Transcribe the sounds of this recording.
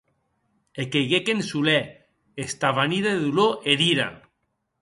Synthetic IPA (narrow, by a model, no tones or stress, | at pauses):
ekejɣekensulɛ | est̪aβaniðeeðuloʔeðiɾa̰